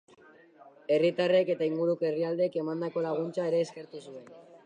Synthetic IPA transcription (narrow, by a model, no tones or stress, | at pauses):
e̞rit̪are̞ke̞t̪aiŋɡuɾukoeriald̪eke̞mand̪ako̞laɣ̞unt͡sae̞ɾe̞ːske̞ɾt̪usue̞n